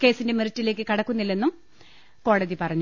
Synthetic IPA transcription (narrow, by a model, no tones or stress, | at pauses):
ke̞ːsinde̞miritːile̞ːk̬ːɨkɐɽɐkːunːilːenːum | ko̞ːɽɐðipɐrɐɲːu